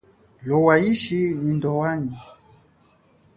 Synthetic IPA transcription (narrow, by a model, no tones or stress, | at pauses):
lɔwaiʃinindɔwaɲi